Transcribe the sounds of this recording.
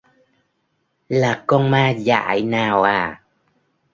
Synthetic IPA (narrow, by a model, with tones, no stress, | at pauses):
laː˨˩kɔ˧nmaː˧za̰ː˧˨jnaː˨˩wʔaː˨˩